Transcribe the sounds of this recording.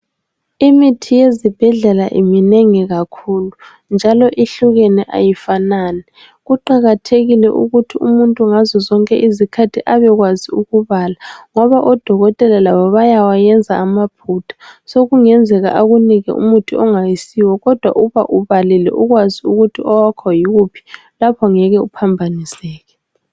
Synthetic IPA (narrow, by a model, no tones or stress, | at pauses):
imitʰijezib̥ʱɛɮɛlaʔḭmineŋiɣakʰuːlu | nd͡ʒʱalɔʔiɬuɣenɛʔa̰jifanaːnɛ | ɣuǃaɣatʰeɣilɛ̰ʔṵɣutʰiṵmuntʼuŋazɔzɔŋkʼɛʔizikʰatʰiʔaβɛɣwaziuɣuβalaŋɔβaʔɔd̥ʱɔɣɔtʼɛlalaβɔβajawajɛnd͡zʱaːmapʰutʰḁsoɣuŋɛnd͡zʱɛɣa̰ʔaɣuniɣɛ̰ʔṵmutʰiɔŋajisiwɔɣɔd̥ʱwa̰ʔuβa̰ʔuβalilɛ̰ʔuɣwaziuɣutʰiɔwakʰɔjiɣupʰi̥ | lapʰɔŋɛɣɛupʰambʱanisɛːɣɛ